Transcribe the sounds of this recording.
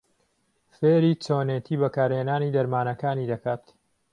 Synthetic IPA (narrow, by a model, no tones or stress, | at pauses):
feːɾiːt͡ʃoːneːt̪ʰiːbɐkaːɾheːnaːniːd̪ɐɾmaːnɐkaːniːd̪ɐkʰaːt̪